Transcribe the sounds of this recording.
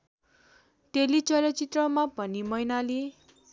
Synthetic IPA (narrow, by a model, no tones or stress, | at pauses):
t̪elit͡sʌlʌt͡sit̪rʌmapʌnimʌjnale